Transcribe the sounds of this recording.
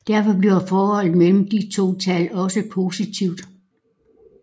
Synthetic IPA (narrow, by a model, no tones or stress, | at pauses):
d̥æɐ̰fɒ̽b̥liɐfɒːhɒ̽l̰mel̰m̩d̥it͡sʰo̝̰ːt͡sʰælɒ̽səpʰo̝sit͡sʰiʊ̰d̥